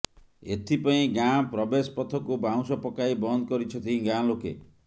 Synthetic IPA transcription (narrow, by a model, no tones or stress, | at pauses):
ḛt̪ʰipaĩɡãpɾɔbespɔt̪ʰɔkubaw̃sɔpɔkaibɔnd̪ɔkɔɾit͡ʃʰɔt̪ʰĩɡãlokḛ